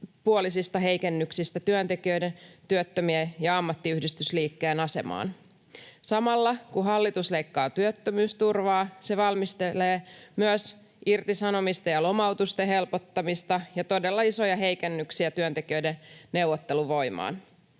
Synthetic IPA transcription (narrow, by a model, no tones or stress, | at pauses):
puolisist̪ɑɦe̞jkenːyksist̪æt̪yønt̪e̞kiøjdent̪yøt̪ːømiejɑɑmːɑt̪ːiyhdist̪ysliːkːeːnɑse̞̰mɑ̰ːn | sɑmɑlːɑkuɦɑlːit̪usleijkːɑːt̪yøt̪ːømyːst̪urʋɑːse̞ʋɑlmist̪eleːmyøs | irt̪isɑno̞mist̪ɑjɑlo̞mɑwt̪ust̪eɦe̞lpo̞t̪ːɑmist̪ɑjɑt̪o̞delːɑiso̞jɑɦejkenːyksiæt̪yønt̪e̞kiøjdenne̞uwːot̪ːe̞luʋo̞imɑ̰ːn